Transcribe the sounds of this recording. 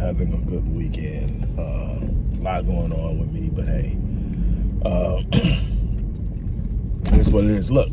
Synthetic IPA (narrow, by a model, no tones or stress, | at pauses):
hævɪ̃ŋəɡʊd̚wikɛ̃nd̥ʌ̃mlaɪɡoʊɪ̃ŋɔwɪðmib̥ʌt̚heɪ | ʔʌ̃m | ðæswʌtlɪ̃nslʊk